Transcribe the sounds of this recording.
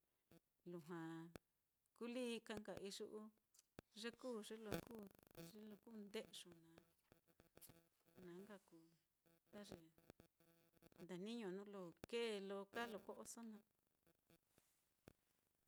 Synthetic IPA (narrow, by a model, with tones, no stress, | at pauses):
lu˨ɦã˨ | ku˦liː˦˧ka˧ŋɡa̰˨ʔi˧ʐu˦ʔu˦ | ʐe˦kuː˦˨ʐe˦lo˧kuː˦ʐe˦lo˧ku˦nd̪e˦ʔʂu˨nã˨ | nã˨˦ŋɡa˧ku˨ | t̪a˦ʐe˨ | nd̪a˨nĩ˦ɲõ˨nũ˦lo˧˨ke˦˧lo˧ka˦lo˨ko˦ʔo˧so˦nã˧